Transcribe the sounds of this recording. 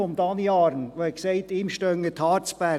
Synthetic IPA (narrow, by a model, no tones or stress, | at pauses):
ɔmd̪ɑniɑːɾnʋoɛkseɪtɪːmʃtœŋːət̪ʰɑːɾt͡sb̥æ